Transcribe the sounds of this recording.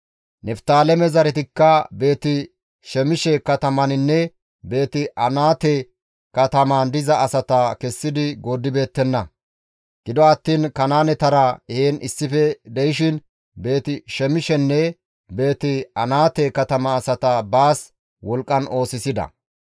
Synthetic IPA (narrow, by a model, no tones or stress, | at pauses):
nɛft̪aːlɛmɛzɐɾɛt̪ɪkːɐbe̞ːt̪ɪ | ʃɛmɪʃɛkɐt̪ɐmɐnɪnːɛ | be̞ːt̪ɪʔɐnaːt̪ɛ | kɐt̪ɐmand̪ɪzɐɐsɐt̪ɐkɛsːɪd̪ɪɡoːd̪ːɪbe̞ːt̪ːɛnːɐ | ɡ̥ɪd̪ɔɐt̪ːiːnkɐnaːnɛt̪ɐɾɐeːnɪsːɪfɛd̪ɛjɪʃɪn | be̞ːt̪ɪʃɛmɪʃɛnːɛ | be̞ːt̪ɪɐnaːt̪ɛkɐt̪ɐmɐːsɐt̪ɐbaːs | wɔlkʼːɐnʔo̞ːsɪsɪd̪ɐ̰